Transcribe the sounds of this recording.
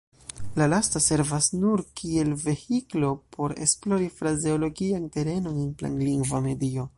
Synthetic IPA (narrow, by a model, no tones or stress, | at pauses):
lalastase̞ɾvasnuɾkʰie̞lve̞hiklo̞pʰo̞ɾe̞̰splo̞ɾifɾaze̞o̞lo̞ɡiante̞ɾe̞no̞nenpla̰nliŋɡvame̞dio̞